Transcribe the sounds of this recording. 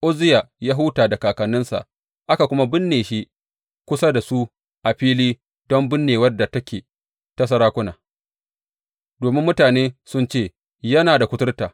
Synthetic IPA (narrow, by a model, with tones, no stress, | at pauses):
ʔo˦zɪ˦ja˨ja˦ɦʊ˦taː˨da˨kaː˨kɐ˨nːɪ˦nsa̰˨ʔ | ʔa˦ka˨kʷʊ˦ma˦bɪ˦nːeː˨ʃi˦ʔ | kʷʊ˦sa˦da˨su˦ | ʔa˨ɸiː˦liː˦ | d̥ɔ˦mbɪ˦nːeː˨wɐ˦dːa˨tɐ˦kʲeː˨ | tɐ˦s̬ɐ˦ɾaː˦kʷʊ˦na̰ː˨ | doː˨mɪ˦mːʊ˦taː˨neː˦sʊ˦nt͡ʃeː˦˨ | jɐ˦naː˨da˨kʷʊ˦tʊ˦rtaː˨